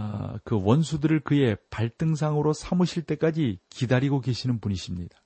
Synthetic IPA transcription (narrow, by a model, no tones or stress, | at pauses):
kɯwʌnsʰudɯɾɯɭkɯe̞paɭt͈ɯŋs̬ʰaŋɯɾosʰamɯɕʰiɭt͈e̞k͈ad͡ʑikidaɾiɡoɡe̞ɕʰinɯnpuɲiɕʰimɲidḁ